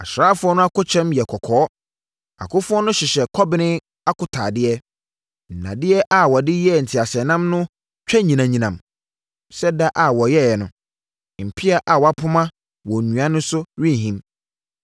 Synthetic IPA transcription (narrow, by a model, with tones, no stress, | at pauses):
a̰˨ɕɾaː˦fʊ˦ɔ˦nʊ̃˦a˦kʊ˦t͡ɕʰɛ̃˦mjɛ˨kʰɔ˨kʰɔː˨˦ | a̰˨kʊ˦fʊ˦ɔ˦nʊ̃˦ɕɪ˨ɕɛ˨kʰɔ˦bɪ˦nɪ̃˦ | a˦kʊ˨tʰaː˨dɪ˦ɛ˦ | n̩˨nã̰˨dɪ˦ɛ˦ʔa˨wɔ˨dɪ˦jɛ˦n̩˨tʰɪ˨a˨ɕɛ˨nã˦mnʊ̃˦ | t͡ɕᶣɛ˦ɲĩ˨nã˨ɲĩ˨nã˨m | sɛ˦da˦ʔa˨wɔ˨jɛ˦jɛ˨nʊ̃˨ | m̩˨pʰɪ˦a˦ʔa˨wɔ˨a˦pʰʊ˦mã˦ | wɔ˨nũ˨ã˦nʊ̃˦sʊ˦ɾĩ˦˨ɦĩ˦m